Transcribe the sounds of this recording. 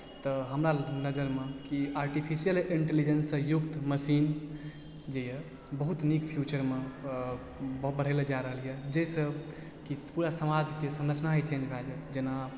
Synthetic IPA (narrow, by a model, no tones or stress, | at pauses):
t̪ɔɦəmɾanəd͡ʒəɾmekiaɾʈipʰisijəliɳʈelid͡ʒənsə̃jukt̪məsin | d͡ʒeje | bəɦut̪nikpʰjut͡ʃəɾme | bəɦubəɽ̤eled͡ʒaɾəɦəljɛd͡ʒesəb | kipuɾasəmad͡ʒkesə̃nɾət͡ʃʰnaɦit͡ʃend͡ʒbʱad͡ʒɛt̪d͡ʒena